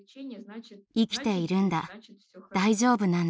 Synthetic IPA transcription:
ikʲi̥t̪e̞iɾɯ̟̃nd̪a | d̪̥aiʑo̞ːbɯ̟nãn

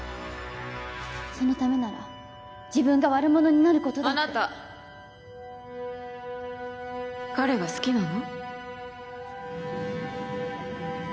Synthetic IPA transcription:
so̞no̞t̪ame̞naɾa̰ | d͡ʑibɯ̟̃ŋɡaβaɾɯ̟mo̞no̞ɲ̟inaɾɯ̟ko̞t̪oanat̪a | kaɾe̞ɡasɨ̥kʲinano̞

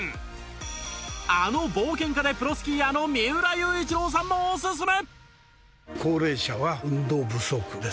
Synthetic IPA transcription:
ano̞boːkẽ̞ŋkad̪e̞pɯ̟ɾosɨ̥kʲiano̞mʲiɯ̟ɾajɯːit͡ɕiɾo̞ːs̬ãmːoːses̬ɨne | kʰoːɾe̞ːɕaβaɯ̟̃nd̪o̞ːbɯ̟sokɯ̟d̪e

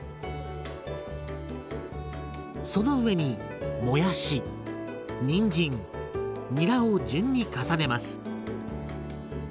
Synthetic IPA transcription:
so̞no̞ɯ̟βe̞ɲ̟i | mo̞jaɕi | ɲĩɲd͡ʑĩŋ | ɲʲiɾaod͡ʑɨ̃ɲ̟ːikasane̞masɨ̥

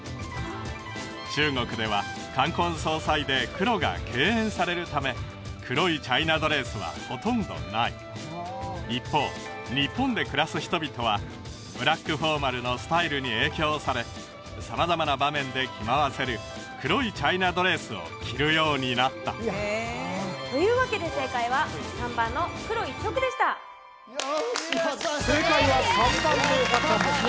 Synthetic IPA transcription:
t͡ɕɨːŋo̞kɯ̟d̪e̞βa | kãŋkõ̞ɰ̃so̞ːsaid̪e̞kɯ̟ɾo̞ɡa̰ke̞ːẽ̞ɰ̃saɾe̞ɾɯ̟t̪ame̞ | kʰɯ̟ɾo̞it͡ɕainad̪o̞ɾe̞ːsɨβa̰ho̞t̪õ̞nd̪o̞̰naḭ | ipːo̞ː | ɲ̟ipːõ̞nd̪e̞kɯ̟ɾasɨçi̥t̪o̞bʲit̪o̞β̞a | b̥ɯ̟ɾakːɯɸo̞ːmaɾɯ̟no̞sɨ̥t̪aiɾɯɲ̟ie̞ːkʲo̞ːsaɾe̞ | samazamanabamẽ̞nd̪e̞kʲʰimaβase̞ɾɯ̟ | kɯ̟ɾo̞it͡ɕainad̪o̞ɾe̞ːsɨo̞̰kʲʰiɾɯ̟jo̞ːɲ̟inat̪ːa̰ | t̪o̞jɯ̟ːβake̞d̪e̞se̞ːkaiβasãmbãnːo̞kɯ̟ɾo̞ikʲːo̞kɯ̟d̪e̞ɕi̥t̪a | sekaiasot̪anekat̪ːane

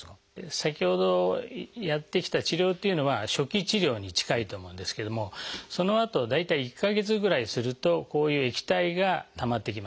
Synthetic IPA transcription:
sakʲiho̞d̪o̞jat̪ːe̞kʲi̥t̪at͡ɕiɾʲo̞ːt̪ːe̞iɯ̟no̞βaɕo̞kʲit͡ɕiɾʲo̞ːɲ̟it͡ɕi̥kait̪o̞ːmo̞ɯ̟̃nd̪e̞sɨ̥ke̞d̪o̞mo̞so̞no̞at̪o̞d̪ait̪aiːkːaɡe̞t͡sɨɡɯ̟ɾaisɨɾɯ̟t̪o̞ko̞ːjɯ̟ːe̞kʲi̥t̪aiɡat̪amat̪ːe̞k̬ʲima

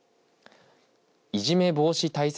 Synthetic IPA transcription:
iʑime̞bo̞ːɕit̪ais

